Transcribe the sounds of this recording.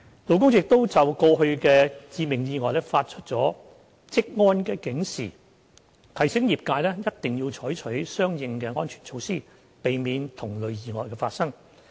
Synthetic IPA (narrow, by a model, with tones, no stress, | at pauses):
lo˨wkʊ˥ŋjɪ˨k̚t̪o˥wt͡sɐ˨wkɔː˧ɦɵ˧ɥkɛː˧t͡siː˧mɪ˨˩ŋjiː˨˧ŋɔː˨jlɛ˥faː˧t̚t͡ʃʰɵ˥t̚t͡sɔː˨˥ | t͡sɪ˥k̚ŋɔː˥nkɛː˧kɪ˨˥ŋsḭː˨˩ | k̪ʰɐ˨˩jsɪ˨˥ŋjiː˨p̚kaː˧jlɛː˥jɐ˥t̚t̪ɪ˨ŋjiː˧wt͡ʃʰɔː˨˥jt͡ʃʰɵ˨˥ɥsœː˥ŋjɪ˨˧ŋkɛː˧ŋɔː˥nt͡ʃʰyː˨˩nt͡sʰo˧wsiː˥˩ | pe˨jmiː˨˧nt̪ʰʊ˨˩ŋlɵ˨ɥjiː˧ŋɔː˨˩jkɛː˧faː˧t̚sɐ˥ŋ